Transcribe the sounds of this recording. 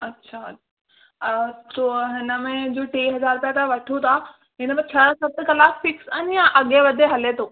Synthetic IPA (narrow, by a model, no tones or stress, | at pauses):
ɐtːɕʰa | toːɦɪnəmẽd͡ʑoːʈiːɦɐzaːɾpjat̪ʰaʋɐʈʰut̪ʰa | ɦɪnəmẽt͡ɕʰɐsɐt̪̆kɐlaːsfɪksɐnjãʔɐɠeʋɐd̪ʱeɦɐlet̪ʰoː